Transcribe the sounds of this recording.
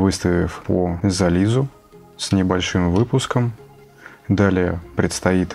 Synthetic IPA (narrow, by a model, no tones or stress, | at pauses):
vɨst̪əvʲɪfpozɐlʲizʊ | snʲɪbɐlʲʂɨmvɨpʊskəm | d̪alʲɪjəpɾʲɪt̪st̪ɐit̪